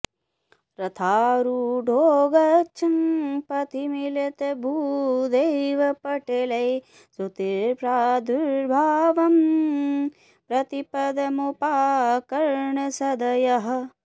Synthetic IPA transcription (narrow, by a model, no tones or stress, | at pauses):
ɾɐt̪ʰaːɾuɖʱoːɡɐt͡ʃʰɐmpɐt̪imilet̪ebʱuːd̪ɐjʋɐpɐʈelɐj | sut̪ipɾaːd̪ʱuɾbʱaːʋɐm | pɾɐt̪ipɐd̪ɐmupaːkɐɾɳɐsɐd̪ɐjɐɦɐ̆